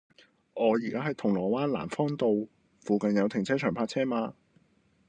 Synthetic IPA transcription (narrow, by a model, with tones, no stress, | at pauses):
ʔɔː˨˧jiː˨˩kaː˥ɦɐ˨jt̪ʰʊ˨˩ŋlɔː˨˩waː˥nla̰ː˨˩nfɔː˥ŋt̪o˧w | fuː˨kɐ˨njɐ˨˧wt̪ʰɪ˨˩ŋt͡sʰɛː˥t͡ʃʰœː˨˩pʰaː˧t̚t͡sʰɛː˥maː˧